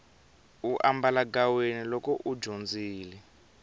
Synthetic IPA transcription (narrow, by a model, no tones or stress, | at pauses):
uʔambalaɡawenilɔkɔʔud͡ʒond͡ziːlɛ